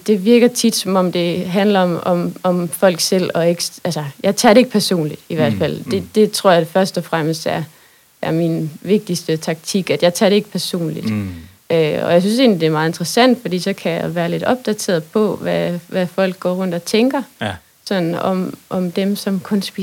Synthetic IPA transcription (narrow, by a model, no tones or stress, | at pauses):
d̥e̝ʋiɐɡ̥ɐt͡sʰid̥sɒ̽mɒ̽md̥e̝ɦænlɐɒmɒmɒ̽mfɒ̽l̰ɡ̥sel̰ɒ̽e̝ɡ̥ælsɐjɑ̈ɪt͡sʰæ̰ːdɾee̝ɡ̥ə̥pʰæɐso̝̰ːnlid̥iʋæɐ̰d̥fæl̰d̥e̝d̥e̝t͡sʰʁo̝ɐ̰jɑfɶɐsd̥ɒ̽fʁaməsd̥æɐ | æɐminʋe̝ɡ̥̚d̥isd̥ət͡sʰɑ̈ɡ̥̚t͡sʰiɡ̥æd̥jɑ̈ɪt͡sʰæ̰ːɾ̥ee̝ɡ̥ə̥pʰæɐso̝̰ːnlid̥ | øɒ̽jɑɪs̬ynse̝̰ːnlid̥e̝ɐmɑ̈ːð̩e̝nd̥ʁɐsæn̰d̥fɒ̽d̥ḭːsɒ̽kʰæjɑɪʋæːɐle̝ɾ̥ɒ̽b̥̚d̥æt͡sʰe̝ːɐð̩ˠpʰɒ̽ʋæʋæfɒ̽l̰ɡ̥̚ɡ̥ɒ̰ːʁɔ̽n̰d̥ɒt͡sʰeŋɡ̥ɐ | sɒ̽nn̩ɒmʔɒmd̥emsɒ̽mkʰɔ̽nsb̥i